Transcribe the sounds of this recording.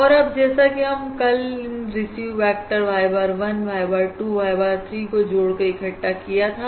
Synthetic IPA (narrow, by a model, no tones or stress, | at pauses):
ɔːɾɐbd͡ʒɛːsakiɦɐmkɐlɾɪsipɛːk̚ʈəɾʋaːjbaːɾʋɐnʋʱaːjbaːɾʈuːʋaːjbaːɾt̪ʰɾiːkod͡ʒoːɽkɐɾɪkʰɐʈːakijat̪ʰa